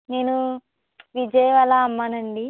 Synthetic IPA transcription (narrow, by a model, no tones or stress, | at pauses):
ne̞ːnu | ʋid͡ʒɐjɐʋalaːmːaːnɐɳɖi